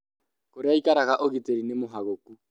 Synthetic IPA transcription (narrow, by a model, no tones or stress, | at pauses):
koɾeaikaɾaɣaʔoɣiteɾinemoɦaɣoku